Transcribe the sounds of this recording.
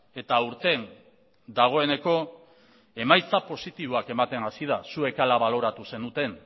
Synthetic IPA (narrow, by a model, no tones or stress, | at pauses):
e̞t̪auɾt̪e̞n | d̪aɣ̞o̞e̞ne̞ko̞ | e̞majt͡sapo̞sit̪iβ̞oake̞mat̪e̞nasið̞asue̞kalaβalo̞ɾat̪use̞nut̪e̞n